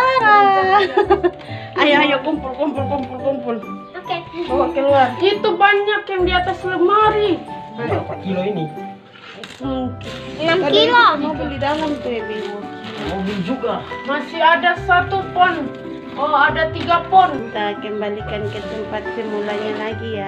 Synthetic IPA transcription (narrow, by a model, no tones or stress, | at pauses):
aɾa | ajaajakumpulkɔmpulkumpulkɔmpul | kɛwakɛluarit̪ubaɲakjaŋdiat̪asləmaɾiajapakiloini | ɛnamadilomabulidalamt̪uɛbilumobild͡ʒuɡamasiadasat̪upɔn | ɔadat̪iɡapɔnt̪akɛmbalikankɛsəmpat̪̚sɛmulaɲalaɡija